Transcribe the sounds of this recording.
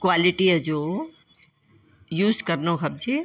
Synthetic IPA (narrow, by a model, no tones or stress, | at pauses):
kwaːliʈiɦɛd͡ʒoː | juːzkɐɾnõkʰɐb̚d͡ʒi